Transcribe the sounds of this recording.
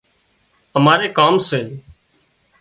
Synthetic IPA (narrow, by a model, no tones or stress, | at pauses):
əmaːɾeːkaːmseː